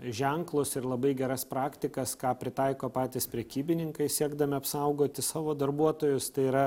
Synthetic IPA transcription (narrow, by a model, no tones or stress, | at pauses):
ʒʲɛŋklˠʊsɪɾlˠɐbɐɪɡʲɛɾɐspɾɑːkt̪ʲɪkɐskɑːpʲɾʲɪt̪ɑɪkoːpɑːt̪ʲɪspʲɾʲɛkʲiːbʲɪnʲɪŋkɐɪsʲiɛɡd̪ɐmʲɪɐpsɐʊɡoːt̪ʲɪsɑːʋoːd̪ɐrbuɔt̪oːjʊst̪ɐɪiːɾɐ